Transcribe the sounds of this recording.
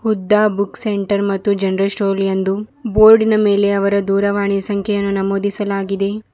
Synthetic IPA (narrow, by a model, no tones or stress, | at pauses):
hud̪ːaːbukseɳʈɐɾmɐt̪ːud͡ʒɐnɾɐlsʈoːljɐnd̪uboːɾɖinɐme̞ːle̞ɐʋɐɾɐd̪uːɾɐʋaːɳijɐsɐŋkʰɛjɐnːunɐmoːd̪isɐlaːɡid̪e̞